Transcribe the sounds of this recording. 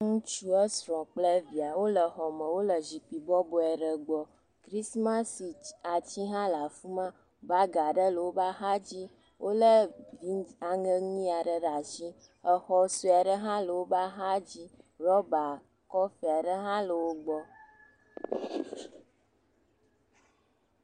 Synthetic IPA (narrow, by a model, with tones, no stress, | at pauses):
ŋũ˦t͡ʃu˦ə˦sɾɔ̃˨k͡plə˦vi˨a˨wo˦lə˨xɔ˨mə̃˨wo˦lə˨zi˨k͡pi˨bɔ˦bɔ˨ɛ˨ɖə˨ɡ͡bɔ˨ | kɾi˦smã˦si˨a˨t͡ɕi˦ɦã˦la˨fu˦mã˦ | ba˦ɡa˨ɖə˦lə˨wo˦ba˦ɦa˦d͡ʑi˦ | wʔo˦lə˦vi˨˦a˨ŋə˦ŋĩ˦a˨ɖə˨ɖa˨ʃi˦ | ə˨xɔ˦su˦a˨ɖə˦ɦã˦lə˨wo˦ba˦ɦa˦d͡ʑi˦ɾɔ˦ba˨ | kɔ˦fi˨a˨ɖə˦ɦã˦lə˨wo˦ɡ͡bɔ˦